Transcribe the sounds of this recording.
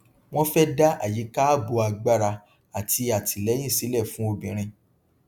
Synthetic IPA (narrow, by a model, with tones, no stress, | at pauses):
w̃ɔ̃˦fɛ˦da˦ʔa̰˦˨ji˨˦ka˦bo˧a˧ɡ͡ba˦ɾa˧ | a˨ti˧a˨ti˨lɛ˨˦j̃ĩ˦˨si˨˦lɛ˦˨fũ˦o˧bĩ˨ɾ̃ĩ˧